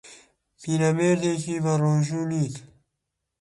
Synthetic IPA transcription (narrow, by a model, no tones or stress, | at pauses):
pinɐmeɾd̪ekibaɾoːʑuniːt̪